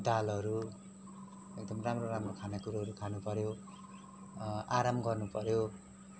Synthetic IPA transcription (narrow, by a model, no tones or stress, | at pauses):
d̪alʌɾu | ek̚d̪ʌmramroramrokʰanakuɾaɦʌɾukʰanupʌɾjo | aɾamɡʌrnupʌɾjo